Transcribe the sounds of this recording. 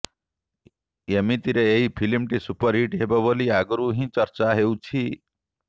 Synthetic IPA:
emit̪iɾeeɦipʰilimʈisupəɾiʈɦebabɔliaɡɾuɦĩt͡ʃəɾt͡ʃaɦewt͡ʃʰi

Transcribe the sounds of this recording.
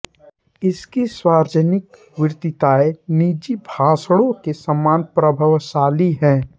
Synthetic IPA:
ɪskiswaːɾd͡ʒənɪk | ʋɪɾt̪ɪt̪aːeniːd͡ʒibʱaːsɽõkesəmːaːnpɾəbʱəʋʃaːliɦɛ̃ː

